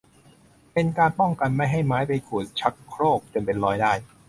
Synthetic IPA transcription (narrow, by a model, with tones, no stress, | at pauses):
pe˧nkaː˧npɔ˥˩ŋka˧nma˥˩jɦa˥˩jmaː˦˥jpa˧jkʰuː˨˩t̪̚t͡ɕʰa˦˥kʰːɾoː˥˩k̚t̪ɯ˧nmpe˧nɾɔː˧jdaː˥˩j